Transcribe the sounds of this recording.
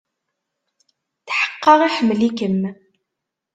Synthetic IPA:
θħə̥qːɑʁiħəmːlikəm

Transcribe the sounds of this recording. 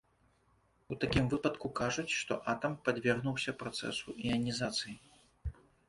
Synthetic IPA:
ut̪akʲimvɨpɐt̪kukaʐut͡sʲʂt̪ɔ̰ʔat̪ɐmpad͡zʲvʲarɣnuwsʲɐpɾat̪sɛ̰suʔiɐnʲizat̪sɨji

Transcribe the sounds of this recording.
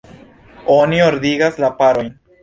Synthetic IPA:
o̞nioɾd̪iɡaslapaɾo̞jn

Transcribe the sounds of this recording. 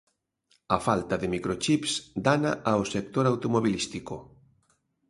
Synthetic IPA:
ɐfalt̪ɐðɪmikɾot͡ʃipsd̪anaʔaosek̚t̪oɾawt̪omoβilist̪iko

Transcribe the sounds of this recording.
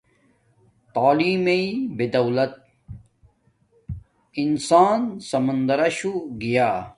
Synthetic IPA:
t̪aːliːmeibed̪ɐwlɐt̪̚ | insaːnsɐmɐnd̪ɐɾɐɕuɡijaː

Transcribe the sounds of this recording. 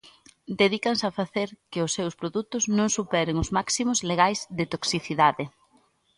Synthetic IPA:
d̪eðikɐnsafaθeɾkɪʊsːewspɾoðut̪ʊznõŋsupɛɾeŋʊzmaksimʊzleɣajzðɪt̪oksiθiðaðɪ

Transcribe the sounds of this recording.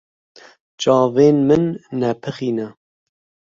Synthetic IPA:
t͡ʃɑːveːnmɨnːɛpʰɨxiːnɛ

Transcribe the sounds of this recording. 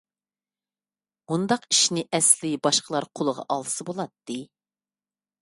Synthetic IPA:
und̪ɑqi̥ʃnɪʔɛslɪbɑʃqʰəlˠɑɾqʰolˠəʁɑ̰ʔɑlˠsɨbolˠɑt̪ːɨ

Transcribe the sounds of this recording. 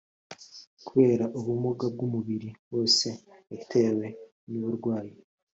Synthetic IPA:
kuβe̞ːɾaʔoβumuɡab̚ɡumuβiɾiβo̞ːse̞ːtʰe̞we̞ | niβuɾɡwaːje

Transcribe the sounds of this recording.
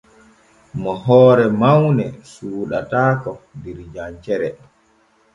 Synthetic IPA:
mɔɦɔːɾɛmawnɛsuːɗa̰taːkɔndiɾd͡ʒant͡ʃɛɾɛ

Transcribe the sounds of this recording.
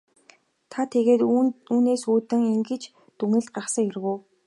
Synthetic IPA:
t̪ʰat̪ʰeɣeːt̪uːneːsuːt̪ɘ̆ŋiŋɡɘ̆t͡ɕ | t̪uŋɘ̆ɮ̚ɢaχsə̆ŋjerɣuː

